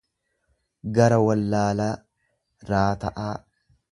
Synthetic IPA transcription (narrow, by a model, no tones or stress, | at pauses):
ɡɐɾɐwɐlːaːlaː | ɾaːt̪ɐʔaː